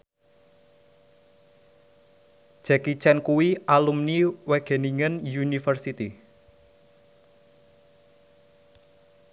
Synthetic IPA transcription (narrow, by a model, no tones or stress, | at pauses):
ʒ̥ɛkit͡ʃɛnkuwiʔalumniwɛɡ̥e̤niŋənjunifərsit̪i